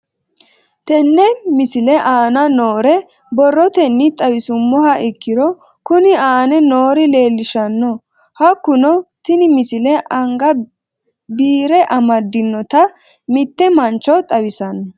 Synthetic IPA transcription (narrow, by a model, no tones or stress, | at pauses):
t̪ɛnːɛmɪsɪlɛʔaːnɐnoːɾɛ | bɔrːɔt̪ɛnːɪt̪ʼɐwɪsʊmːɔhɐʔɪkːɪɾɔ | kʊnɪaːnɛno̞ːɾɪle̞ːlːɪʃɐnːɔ | hɐkːʊnɔt̪ɪnɪmɪsɪlɛʔɐŋɡɐ | biːɾɛʔɐmɐd̪ːɪnːɔt̪ɐ | mɪt̪ːɛmɐnt͡ʃːɔt̪ʼɐwɪsɐnːɔ